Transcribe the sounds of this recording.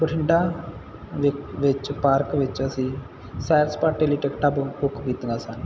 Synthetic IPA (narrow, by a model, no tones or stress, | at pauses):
puʈʰiɳɖa | ʋeʋet͡ʃːpaːɾkʋit͡ʃːɐsi | sajɾspaːɾʈeliʈekʈɐbukːbit̪ːɐŋɡasaːn